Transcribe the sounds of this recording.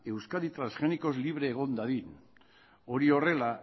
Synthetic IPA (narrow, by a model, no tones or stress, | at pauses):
e̞wskaðit̪ɾansxe̞niko̞zliβ̞ɾe̞ːɣ̞o̞nd̪aðin | o̞ɾio̞re̞la